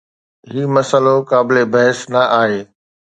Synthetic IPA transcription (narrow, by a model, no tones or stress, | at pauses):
ɦiːmɐsəlokaːbɪlebɐɦɪsnɐʔaːɦeː